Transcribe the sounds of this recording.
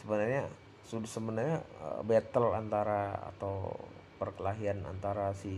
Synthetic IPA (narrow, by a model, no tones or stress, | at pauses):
səbənarɲa | sudəsəbənarɲaə̰bɛt̪əla̰nt̪aɾaa̰t̪awpərkəlaɦiana̰nt̪aɾasɪ